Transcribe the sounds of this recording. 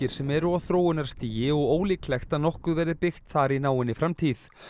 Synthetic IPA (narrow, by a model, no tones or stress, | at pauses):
ɪɾ̥sɛmɛɾʏawθɾoːwʏnaɾ̥st̪iːjɪɔɣoːwliːklɛxt̪aðnɔhkʏðvɛɾðɪpɪxt̪θaɾinaːwɪnːɪfɾamt̪ʰiːθ